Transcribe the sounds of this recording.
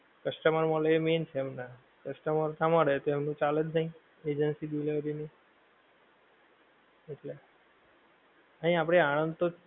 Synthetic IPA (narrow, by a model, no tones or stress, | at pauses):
kəsʈəməɾməleement͡ʃʰeːmna | kəsʈəməɾt̪ʰamãɾəɦet̪oemnũt͡ʃaled͡ʒ̪nə̃ĩ | ed͡ʒənsidileʋɾine | eʈle | əɦĩapɽ̃eañə̃nd̪t̪o